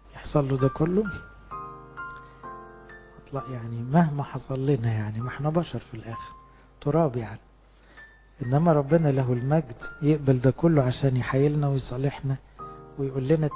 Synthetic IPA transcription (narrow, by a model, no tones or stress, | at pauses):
jeħsˤɑlːod̪ækolːo | ʔɑt̪ˤlɑʔjaʕnimæhmæħɑsˤɑlːeːnæjaʕnimaħnæbɑʃɑɾˤfilʔæːxe̥ɾ | t̪oɾˤɑːbjaʕni | ʔenːæmæɾˤɑbːenɑlæɦolmæɡd̪jeʔbæld̪æːkʊlːoʕaʃæːnjeħajːelnæwejsˤɑleħnæ | wejʔulːenæ